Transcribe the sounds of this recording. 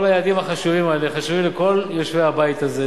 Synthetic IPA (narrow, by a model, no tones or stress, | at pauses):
olajead̪imaχaʃuvimaeleχaʃuvileko̞ljoʃveabajt̪aze